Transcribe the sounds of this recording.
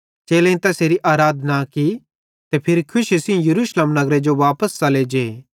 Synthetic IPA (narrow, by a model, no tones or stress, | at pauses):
t͡ʃeːlẽĩt̪ɛseːɾiʔaːɾaːd̪naki | t̪epʰɪɾikʰʊʃɪsĩjɐɾuːʃləmnɐɡɾed͡ʒoʋaːpəst͡ʃɐled͡ʒeː